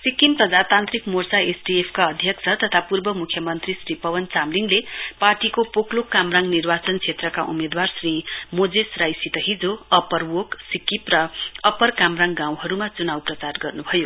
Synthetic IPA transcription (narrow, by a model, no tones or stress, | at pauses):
sikimprʌd͡zat̪ant̪rikmort͡saesɖiepʰkaʌd̪ʱjʌksʰʌt̪ʌt̪ʰapurbʌmukʰjʌmʌnt̪risripʌwʌnt͡samliŋleparʈikopoklokːamraŋnirbat͡sʌnkt͡sʰet̪rʌkaʔṵmed̪warsrimod͡zesrajsit̪ʌɦid͡zoʌpʌrwoksikiprʌʌpʌrkamraŋɡãw̃ɦʌɾumat͡sunawprʌt͡sarɡʌrnubʱʌjo